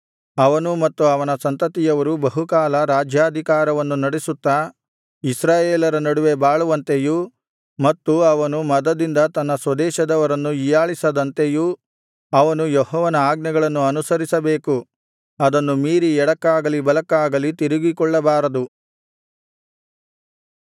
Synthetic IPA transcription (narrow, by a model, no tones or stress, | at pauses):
ɐʋɐnumɐt̪ːuɐʋɐnɐsɐnt̪ɐt̪ijɐʋɐɾubɐɦukaːlɐɾaːd͡ʒjaːd̪ʱikaːɾɐʋɐnːunɐɽesut̪ːɐ | isɾaːjeːlɐɾɐnɐɽuʋe̞baːɭuʋɐnt̪eju | mɐt̪ːuɐʋɐnumɐd̪ɐd̪ind̪ɐt̪ɐnːɐsʋɐd̪ɛːʃɐd̪ɐʋɐɾɐnːuijaːɭisɐd̪ɐnt̪eju | ɐʋɐnujɔɦɔːʋɐnɐaːɡnɐɡɐɭɐnːuɐnusɐɾisɐbeːku | ɐd̪ɐnːumiːɾiɛɽɐkːaːɡɐlibɐlɐkːaːɡɐlit̪iɾiɡikɔɭːɐbaːɾɐd̪u